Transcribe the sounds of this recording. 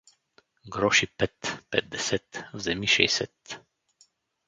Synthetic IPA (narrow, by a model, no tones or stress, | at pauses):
ɡɾɔʃipɛt̪pɛd̪̚d̪ɛsɛt̪vzɛmiʃɛ̰jsɛt̪